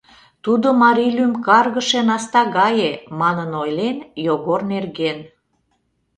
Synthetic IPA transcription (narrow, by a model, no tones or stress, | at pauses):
t̪ud̪omɑɾilymkɑrɣəʃenɑst̪ɑɣɑjemɑnənojlenjoɣornerɣen